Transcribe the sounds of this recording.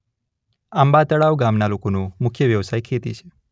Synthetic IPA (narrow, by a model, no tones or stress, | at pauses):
ambat̪əɭaʋɡamnalokonũmʊkʰjəʋjəʋsajkʰet̪it͡ʃʰe̥